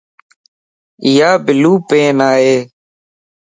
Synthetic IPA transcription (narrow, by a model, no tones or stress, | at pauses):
ɪjaːbɪluːpẽːnaːɦeː